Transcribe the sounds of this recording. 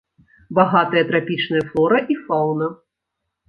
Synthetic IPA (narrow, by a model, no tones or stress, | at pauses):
baɣat̪ɐjɐt̪ɾapʲit͡ʂnɨjɐflˠɔɾɐʔifawnɐ